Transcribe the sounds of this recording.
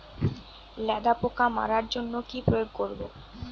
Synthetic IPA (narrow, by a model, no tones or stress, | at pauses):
lɛd̪apokama̰ɾaɾd͡ʑonːokipɾojoɡkoɾbo